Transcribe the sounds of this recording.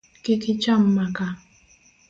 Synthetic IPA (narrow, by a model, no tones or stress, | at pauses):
kɪkɪt͡ʃam̩maka